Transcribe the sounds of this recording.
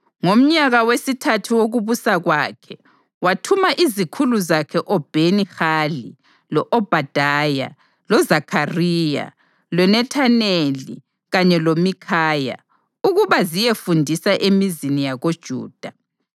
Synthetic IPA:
ŋom̩ɲaɣawesitʰatʰiwoɣuβusaɣwakʰɛ | watʰumaʔizikʰuluzakʰɛʔɔb̥ʱenixali | lɔʔɔb̥ʱad̥ʱaja̰ | lɔzakʰariːja̰ | lwɛnɛtʰanelḭ | ɣaɲɛlomikʰaːja̰ | uɣuβazijefundʱisaʔemizinijaɣod̥ʒ̥ʱṵːd̥ʱa

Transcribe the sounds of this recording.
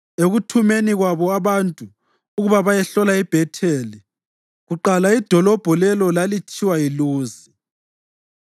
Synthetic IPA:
eɣutʰumeniɣwaβɔaβantʼu | uɣuβaβajɛɬɔlaib̥ʱɛtʰeːli | ɣuǃalaid̥ʱɔlɔb̥ʱɔlɛlɔlalit͡ʃʰʼiwailuːzi

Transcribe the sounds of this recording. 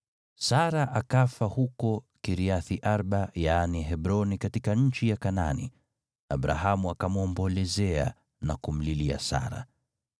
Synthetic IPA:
saɾaʔakafahukɔ | kiɾiaθiʔaɾɓajaniɦɛbɾɔnikatikaɲ̩t͡ʃijakana̰nḭ | a̰bɾa̰ɦamuakamuɔmbɔlɛzɛa̰ | nakum̩lilia̰sa̰ɾa̰

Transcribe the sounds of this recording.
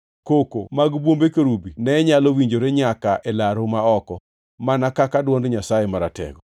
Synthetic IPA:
kokomaɡbwombekoɾubinɛɲalɔwiɲd͡ʒoɾeɲakaʔɛlaɾomaɔkɔ | manakakadwɔndɲasajemaɾatɛ̰ɡɔ

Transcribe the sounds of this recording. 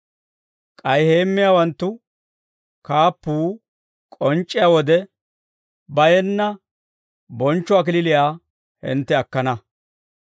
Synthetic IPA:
kʼɐjhe̞ːmːɪjaːwɐnt̪ːʊ | kaːpːuː | kʼɔnt͡ʃʼːɪjawɔd̪ɛ | bɐjɛnːɐ | bɔnt͡ʃːʊɐk̬ɪlɪlɪjaː | hɪ̰nt̪ːɛɐkːɐnɐ

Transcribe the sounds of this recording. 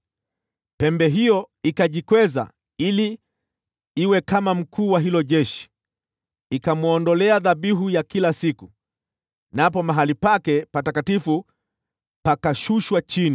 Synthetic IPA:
pɛmbɛɦijɔ | ikaʄikwɛza̰ | ili | iwɛkamam̩kʰuːwaɦilɔʄɛʃi̥ | ikamuɔndɔlɛaðaɓiɦujakilasiku | napɔmaɦalipakɛpatakatifu | pakaʃuʃwat͡ʃini

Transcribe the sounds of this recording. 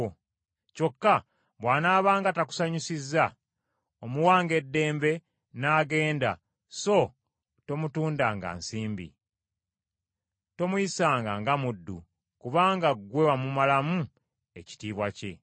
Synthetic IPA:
co̞kːa | βwaːnaːβaːŋɡataku̥saɲisizːa | omuwaːŋɡe̞dːe̞ːmbe̞ | naːɡe̞ːnda̰ | so̞ | to̞mutuːndaːŋɡa̰ːnsiːmbḭ | to̞muisaːŋɡaŋɡamudːṵ | kuβaːŋɡaɡwe̞wamumalamu | e̞ci̥tiːβwace̞̰

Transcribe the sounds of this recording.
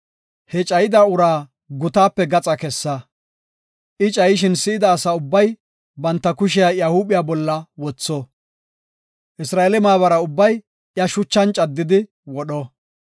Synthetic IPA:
hɛt͡ʃʼɐjɪd̪aʊɾaː | ɡʊt̪aːpːɛɡɐt͡sʼɐkɛsːɐ | ʔɪt͡ʃʼɐjɪʃ̬ɪnsɪɪd̪ɐːsaʊbːɐj | bɐnt̪ːɐkʊʃ̬ɪjaːjahubɪjaːbɔlːɐwɔt͡sːɔ | ʔɪsɾaːelɛmaːβɐɾɐʊbːɐj | jɐʃʊt͡ʃːɐnt͡ʃʼɐd̪ːɪd̪ɪ | wɔɗɔ

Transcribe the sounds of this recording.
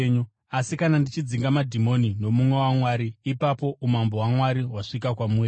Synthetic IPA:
ɲu | asikanandit͡ʃid͡ziŋɡamadʱimo̞nino̞mumwe̞wamwaɾiːpapo̞ʔumambo̞ɦwamwaɾiwaʂik̬akwamure

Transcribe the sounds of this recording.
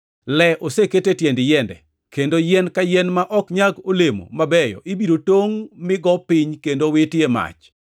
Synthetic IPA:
lɛʔoseketetjɛndɪjɛndɛ̰ | kendojɛnkajɛnmaʔɔkɲaɡolemo̰mabɛjɔ̰ʔɪbiɾotoŋmɪɡɔpɪɲkendowetjema̰t͡ʃ

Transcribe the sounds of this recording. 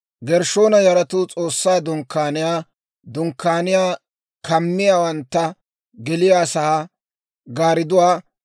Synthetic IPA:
ɡɛɾʃo̞ːnɐjɐɾɐt̪ʊt͡sʼo̞ːsːaːd̪ʊŋkːaːnɪjaː | d̪ʊŋkːaːnɪjaː | kʰɐmːɪjaːwɐnt̪ːɐ | ɡɛlɪjaːsɐha | ɡaːɾɪd̪ʊwaː

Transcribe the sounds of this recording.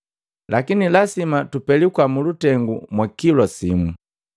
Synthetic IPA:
lakinilasimatupɛlikwamulutɛŋɡṵmwakilɔsimu

